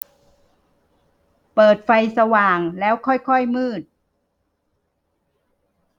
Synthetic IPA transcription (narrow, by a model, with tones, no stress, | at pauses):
pɤː˨˩t̪̚fa˧jsa˧waː˨˩ŋlɛː˦˥wkʰɔ˥˩jkʰɔ˥˩jmɯː˥˩t̪̚